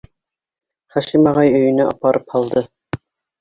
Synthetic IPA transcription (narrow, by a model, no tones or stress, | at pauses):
χæʃimɑʁɑjɵ̆jɘ̆næʔɑ̰pɑɾʔɤphɑlˠd̪ɤ